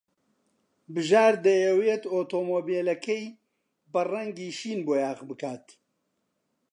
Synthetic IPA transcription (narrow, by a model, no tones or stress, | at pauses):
bɨʒaːɾd̪ɐjɛweːt̪oːt̪oːmoːbelɐkʰɐj | bɐrɐŋɡiːʃiːnboːjaːɣbɨkaːt̪